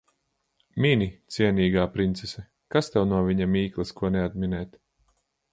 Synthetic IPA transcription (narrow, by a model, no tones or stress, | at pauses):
mʲinʲit̪siɛnʲiːɡaːpɾint̪sesɛ | kast̪ɛwnuɔvʲiɲamiːklˠɐskuɔnead̪̚mʲinɛːt̪